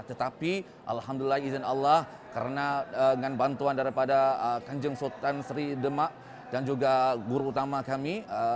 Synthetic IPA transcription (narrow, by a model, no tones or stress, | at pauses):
t̪ət̪api | ʔa̰lɦamdulilahizənalːah | kəɾənaəəŋanbant̪uandaɾipadaəkaɲd͡ʒəŋsot̪ansəɾidəmaʔ | d̥and͡ʒuɡaɡuɾuːt̪amakamiə